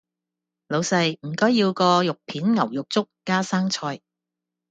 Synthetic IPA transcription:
lo˨˧wsɐ˧jm̩˨˩kɔː˥jiː˧wkɔː˧jʊ˨k̚pʰiː˨˥nŋɐ˨˩wjʊ˨k̚t͡sʊ˥k̚ːaː˥saː˥ŋt͡sʰɔː˧j

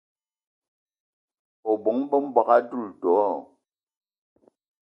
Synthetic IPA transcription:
ɔ˨bo˨˦ŋ˦bə˦m̩˦ba˨ka˦du˦˨ltɔ˨˦ɔ˦˨

